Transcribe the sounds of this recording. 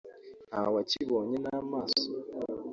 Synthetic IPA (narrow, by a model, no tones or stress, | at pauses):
awat͡ʃiboɲenamasʊ̥